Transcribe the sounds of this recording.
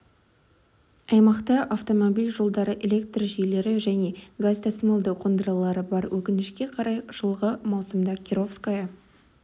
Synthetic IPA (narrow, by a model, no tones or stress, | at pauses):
ɑjmɑqt̪ɑʔaft̪o̞mobilʲʒo̞lˠd̪ɑɾəʔele̞k̚t̪rʒijle̞ɾɪʒæne̞ɡast̪ʰasmelˠd̪əqʰond̪əɾɑlˠɑɾəbɑɾwʔɵkʲɪnɪʃkʲe̞qʰɑɾɑjʒ̥əlˠʁəmɑwsəmd̪ɑkʲʰiɾo̞fskajɑ